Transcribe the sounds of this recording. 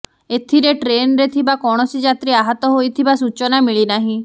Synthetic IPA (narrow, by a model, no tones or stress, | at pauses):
et̪ʰiɾeʈɾenɾet̪ʰibakɔɽ̃ɔsid͡ʒat̪ɾiaɦɔt̪ɔɦojt̪ʰibasut͡ʃɔnamiɭinaɦĩ